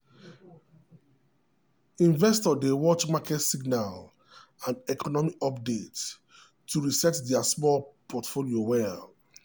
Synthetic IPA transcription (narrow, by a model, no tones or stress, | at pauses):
ĩnvɛstɔdewɔt͡ʃmakʰɛtsiɡnal | ãnɛkʰɔnɔmikɔpdetː | uɹisɛtdɛasmɔlpʰɔtfoliowɛl